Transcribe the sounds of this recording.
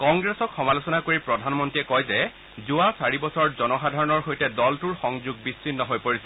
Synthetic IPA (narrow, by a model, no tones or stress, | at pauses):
kɔŋɡɹɛsɔkxɔmalosɔnakoɹipɹɔdʱanmɔntiɛkɔjzɛ | zuasaɹibɔsɔɹzɔnɔxadʱaɹɔnɔɹxojtɛdɔltuɹxɔŋzuɡ̚bissinːɔɦojpoɹisɛ